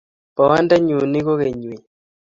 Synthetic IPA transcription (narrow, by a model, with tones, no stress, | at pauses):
pɔ˨wa˦nda˦ɲu˨ni˦ɣo˦ɣe˨ɲwi˨